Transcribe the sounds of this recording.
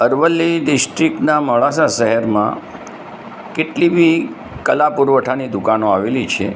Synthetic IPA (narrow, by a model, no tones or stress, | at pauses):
əɾʋəlːiɖɪsʈɾiknaməɭasaʃəɦəɾmã̰ | keʈlibi | kəlapuɾʋəʈʰanid̪ukanoaʋelit͡ʃʰḛ